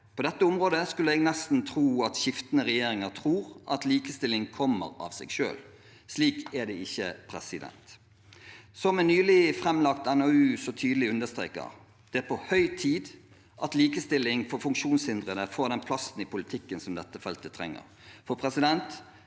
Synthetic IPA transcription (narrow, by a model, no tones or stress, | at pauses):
pʰɔd̪ɛt̪ːəʊmʁoːd̪əskʉlːəɛɡnɛst̪n̩t̪ʰɾuːɑt̪ɕɪft̪ənəʁɛjeːɾɪŋəʁt̪ʰɾuːɾʔɑt̪liːkəst̪ɪlːɪŋkʰɔmːə̰ɾɑ̰ʋsɛ̰ɡʃø̰ːl | sliːkæd̪ɛɪçːəpʰɾɛsɪd̪ɛ̰nt̪ | sɔmɛnyːlɪfʁɛmlɑkt̪ɛnoʉːsɔt̪ʰyːd̪əlɪʉnd̪əst̪ɾḛːkə̰ʁ | d̪̥ɛæpʰɔhœʏt̪ʰiːd̪ | ʔɑt̪liːkəst̪ɪlːɪŋfɔːʁfʉŋkʃuːnshɪnd̪ʁəd̪əfoːʁd̪ɛnpʰlɑst̪n̩ɪpʰʊlɪt̪ʰɪkːənsɔmd̪ɛt̪ːəfɛlt̪ət̪ʰɾɛ̰ŋːə̰ʁ | fɔpʰɾɛsɪd̪ɛnt̪